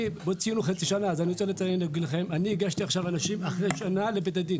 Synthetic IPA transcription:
bot͡siinuχat͡siʃanaːzaniʁot͡selet͡sajinleɡileχe̞maniiɡaʃt̪iaχʃavanaʃimaχʁeʃanalebet̪ad̪in

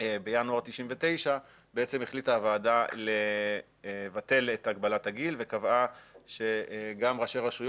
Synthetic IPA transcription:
ebejanuaʁt̪iʃimve̞t̪e̞jʃa | beet͡se̞meχlitaːvaːdale | vate̞let̪aɡ̚balataɡilve̞kavaʃe̞ɡamʁaʃeʁaʃuj

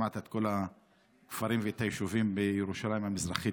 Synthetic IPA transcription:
at̪et̪ko̞la | kfaʁimveet̪ajeʃuvimbejeʁuʃalaimhamizʁaχi

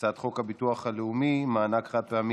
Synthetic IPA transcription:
t͡sad̪χo̞khabituaχhaleumimaːnakχat̪̚peami

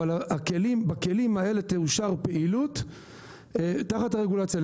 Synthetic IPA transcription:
alaakelimbake̞limae̞le̞t̪euʃaʁpe̞ʔilut̪ | taχataʁeɡulat͡sjal

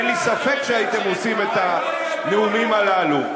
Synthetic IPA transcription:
lisafɛt͡ʃait̪ɛmusimɛta | niumimalalu

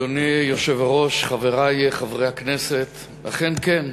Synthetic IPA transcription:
onijoʃevaʁo̞ʃχaveʁajeχavʁejhaknese̞t̪ | la̰χenken

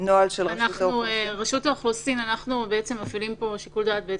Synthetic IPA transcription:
noalʃelʁanaχonueʁaʃut̪oχlosinanaχnubeet͡semːafilimpo̞ʃikuldaːt̪̚bee

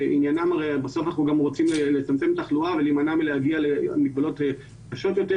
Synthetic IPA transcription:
ʔinjanamaʁejbaso̞fanaχnuɡamʁo̞t͡simlelet͡samt͡se̞met̪aχluavelimanamileaɡialemiɡ̚balo̞te | kaʃo̞t̪jo̞te

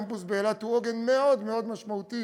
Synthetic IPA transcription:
mpusbeːlat̪huoɡenmeo̞d̪meo̞d̪maʃmaut̪i

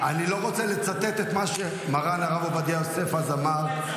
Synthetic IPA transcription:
anilo̞ʁo̞t͡sele̞t͡sat̪et̪et̪maʃe | maʁanaʁavobad̪iajose̞fazamaʁ

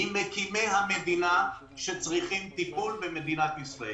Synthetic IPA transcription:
imekime̞jɦamed̪ina | ʃet͡sʁiχimt̪ipulbemed̪inat̪isʁae

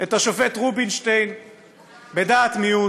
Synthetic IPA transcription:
etaʃofetʁubinʃtejn | bedaːt̪miu

